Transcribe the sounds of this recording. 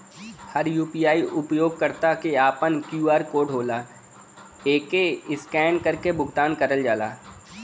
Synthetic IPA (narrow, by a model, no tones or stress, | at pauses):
həɾjuːpijaːiʔʊpjoːɡ̚kəɾt̪akeaːpənkjuːaːɾkoːɖʱoːlaː | eːkeɪskɛ̃ːɳkəɾkebʱʊɡt̪aːnkɐɾəld͡ʒaːla̰ː